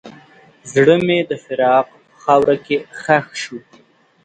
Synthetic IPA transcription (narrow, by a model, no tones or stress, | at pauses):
zɽəmed̪əfɪɾɑːqpəxɑwɾakexaxʃu